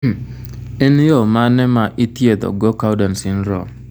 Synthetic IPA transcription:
ɪnjomanɛmaʔitied̪ɔ̰ɡɔkawdansɪnɾɔ̰

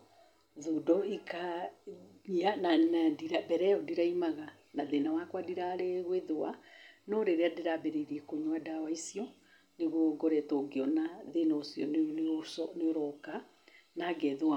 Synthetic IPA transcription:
ðudɔikʰa | iananadiɾabɛɾɛɔdiɾaimaɣa | naðenawakwadiɾaɾeɣweðowa̰nɔɾeɾeadeɾabɛɾeiɾiɛkoɲwadawaisiɔ | neɣɔɡɔɾɛtoːɡeɔnaðenaosjɔ̰nsɔneoɾɔka | naɡɛðoa

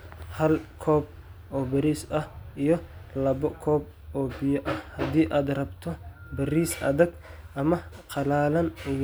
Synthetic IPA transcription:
hɐlkʰɔːb̚ | ʔɔːbɐɾiːsɐhʔijɔlɐβɔkʰɔːb̚ | ʔɔːbɪjɔʔɐhhɐd̪iːʔaːd̪rɐbt̪ʰɔbɐɾiːsʔɐ̰ðɐɡʔɐmɐ | qɑlaːlɐnʊj

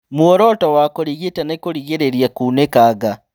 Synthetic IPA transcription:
muɔɾɔtɔwakoɾiɣetanakoɾiɣeɾeɾiakuːnekaɡa

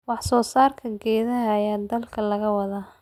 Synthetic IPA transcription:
wɑħsɔːsaːrkʰɐɡɛːðɐɦːjaːd̪ɐlkʰɐlɐɣɐwɑðaː

